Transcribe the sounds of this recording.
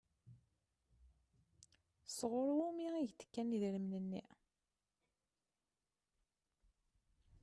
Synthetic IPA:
sʁʊɾumiʁiʝt̪ːə̥kːæniðɾəmnənːḭ

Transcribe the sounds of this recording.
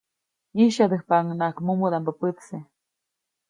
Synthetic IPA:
iʃad̪əhpaŋnakmumud̪ampəpɨt̪se

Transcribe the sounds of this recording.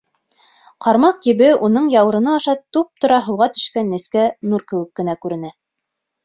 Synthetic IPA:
qɑɾmɑqjiβɘunɤɴjɑwɤ̆ɾɤ̆nɑːʃɑt̪up̚t̪ŏɾɑɦɤ̆wʁɑt̪ɵ̥̆ʃkænːɘ̆skænuɾkɘ̆wɘ̆kːɘ̆nækʉɾɘ̆næ

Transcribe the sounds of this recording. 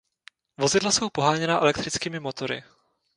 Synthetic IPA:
vo̞zɪdlaso̞wpo̞ɦaːɲɛnaʔɛlɛkt̪ɾɪt͡skiːmɪmo̞t̪o̞ɾɪ̰

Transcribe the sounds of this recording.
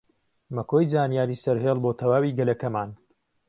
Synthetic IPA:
mɐkoːjzaːnijaːɾiːsɐɾɦeːlˠboːt̪ʰɐwaːwiːɡɐlɐkɐmaːn

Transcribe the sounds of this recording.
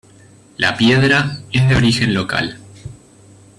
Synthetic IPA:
lʔa̰pje̞ðɾaezðeo̞ɾixe̞nlo̞ka̰l

